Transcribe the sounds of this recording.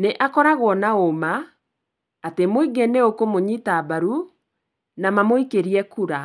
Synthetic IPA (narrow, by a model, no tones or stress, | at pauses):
neʔakɔɾaɣwɔnaoma | atemoiɡeneokomoɲitabaɾu | namamoikeɾiɛkuɾa